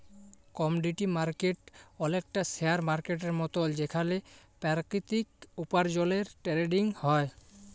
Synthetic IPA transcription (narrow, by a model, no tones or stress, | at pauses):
kɔmuɖiʈimaɾkeʈɔlek̚ʈaseaɾmaɾkeʈeɾmɔt̪old͡ʑekʰalepaɾkɾit̪ik̚upaɾd͡ʑɔleɾʈɛɾeɖiŋhɔe